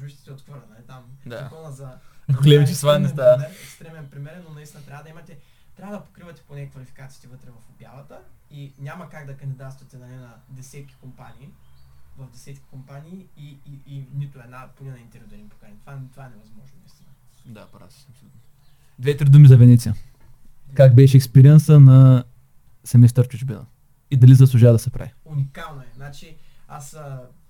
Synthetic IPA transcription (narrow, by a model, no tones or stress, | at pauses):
biʃt̪ɛ̥sɛot̪xvəɾlʲɐnɐlit̪amd̪akɔnəzɐɡolʲɛmit͡ʃɛst̪vanɛst̪amɛɾɛkst̪ɾɛmɛnpɾimɛɾɛnːonɐist̪inɐt̪ɾʲavəd̪ɐimɐt̪ɛ | t̪ɾʲavəd̪ɐpo̥kɾivɐt̪ɛ̥ponɛkvɐlifi̥kat̪si̥t̪ɛvət̪ɾɛvɐfbʲjalɐt̪əinʲamɐkaɡd̪ɐkɐnd̪id̪at̪st̪vɐt̪ɛnɐnɛnɐd̪ɛsɛt̪kʲi̥kompanʲiːvɐvd̪ɛsɛt̪kʲi̥kompaniːiinit̪ʊɛd̪napolinaint̪ɛɾvid̪ɛnʲimpo̥kanʲit̪ovant̪ovaɛnɛvɐzmɔʒnomist̪ʲinɐ | d̪apɾa̰ɐpsolut̪n | d̪vɛt̪ɾid̪umizɐvɛnɛt̪sijə | kakbɛʃɛɛkspɛɾiɛnsənɐ | sɛmɛst̪əɾt͡ʃut͡ʃbinɐ̰ | id̪ɐlizəslˠuʒad̪ɐsɛpɾʔa̰viunikalˠnoɛznat͡ʃi | asə